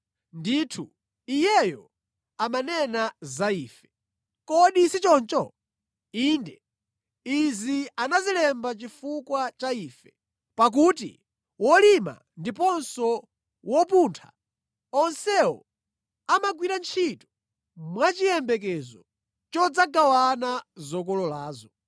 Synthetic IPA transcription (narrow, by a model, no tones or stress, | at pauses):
nditʰu | ijɛjɔ | amanɛnazaiːfɛ̥ | kɔɗisit͡ʃɔnt͡ʃɔ | iːndɛ | izianazilɛmbat͡ʃifukwat͡ʃaiːfɛ | pak̬utḭ | wɔlima̰ | ndipɔnsɔ | wɔpuntʰa̰ | ɔnsɛɔ | amaɡwiɾant͡ʃʰitɔ̥ | mwat͡ʃijɛmbɛk̬ɛzɔ̰ | t͡ʃɔd͡zaɡawanazɔk̬ɔlɔlaːzɔ